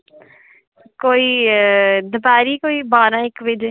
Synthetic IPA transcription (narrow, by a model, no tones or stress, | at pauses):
koːiː | d̪əbaːɾiːkoːiːbaːɾãːɪkʋɪd͡ʒ